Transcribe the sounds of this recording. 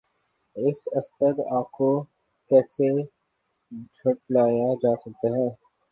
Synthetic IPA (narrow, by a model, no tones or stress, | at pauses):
ɪsɐst̪əɾaːp̚ko | kɛːse | d͡ʒʰʱʊʈ̚laːjad͡ʒaːsɐk̚t̪aɦɛ̃ː